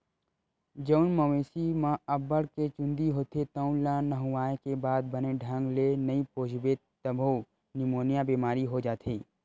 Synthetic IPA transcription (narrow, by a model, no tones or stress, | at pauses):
d͡ʒəʊnməweːsimãəbəɽket͡ʃʊ̃nd̪iɦoːt̪ʰet̪ə̃ʊ̃lãnəɦuwaːekebaːd̪̚bəneɖʱə̃ŋɡlenəipoːd͡ʒʱbe | t̪əbʱo | nɪmoːnjabiːmaːɾiɦod͡ʒaːt̪ʰiː